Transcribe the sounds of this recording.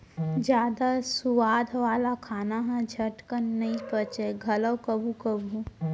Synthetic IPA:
d͡ʒjaːd̪asuwaːd̪ʱʋaːlakʰaːnaɦɛ̃d͡ʒʱɐʈkənːɐĩpət͡ʃeɡʱɐləwkəbʱukəbʱu

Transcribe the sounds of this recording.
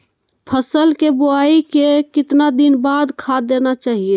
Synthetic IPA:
pʰəsəlkeboaikekɪt̪nad̪inbad̪kʰad̪enat͡ʃaːɦie

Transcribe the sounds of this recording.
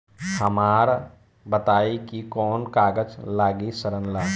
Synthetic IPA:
hɐmaːɾ | bət̪aːikikɔːnkaːɡəd͡ʒlaːɡisəɾənlaː

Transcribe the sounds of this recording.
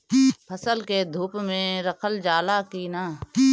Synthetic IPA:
pʰəsəlked̪ʱuːpmẽɾəkʰəld͡ʒaːlakiːnaː

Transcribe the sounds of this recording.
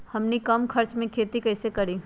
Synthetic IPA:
hɐmnikɐmkʰɐɾt͡ʃmẽkʰeːt̪ikɐɪsekɐɾiː

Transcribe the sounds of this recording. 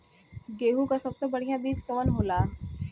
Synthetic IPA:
ɡeːɦukasɐbsebɐɽ̤ijãbiːd͡ʒkɐʋənɦoːlaː

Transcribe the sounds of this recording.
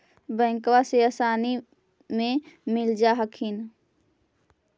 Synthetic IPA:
bə̃ŋkʋaseəsaːni | mẽmild͡ʒaɦəkʰin

